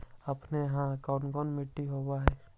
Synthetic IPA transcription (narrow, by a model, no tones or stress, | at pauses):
əpneɦãkaːnɡɔnmɪʈːiɦowaɦɛː